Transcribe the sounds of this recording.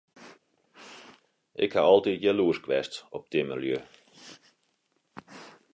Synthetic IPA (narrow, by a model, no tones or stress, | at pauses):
ʔɪ̰kha̰ɔlˠtitjəluəskʋɛstɔp̚dimə̰lˠjø